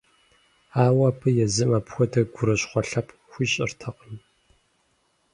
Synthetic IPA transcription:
aːwɐːpʰɨjɛzɨmaːpxʷɔdʰɐɡʷʊɾɐɕʼχʷɔɬɐpʰ | xʷiːɕʼɪ̰rtʰɐqəm

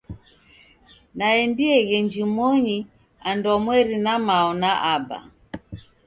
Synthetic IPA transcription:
naɛndiɛɣɛɲd͡ʒimɔɲi | andɔmwɛɾinamaɔnaʔaba̰

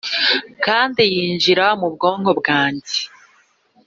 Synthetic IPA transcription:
kaːndijiːɲd͡ʒiɾamubɡo̞ːŋho̞bɡaːɲɟe

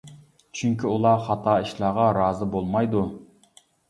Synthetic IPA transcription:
t͡ʃʰyŋkʲʰiulˠɑχɑt̪ʰɑːiʃlˠɑːʁɑɾɑːzɨbolˠmɑjd̪u

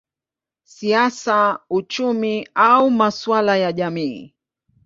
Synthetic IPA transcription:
siasaut͡ʃumiaumaswalajaʄamḭː

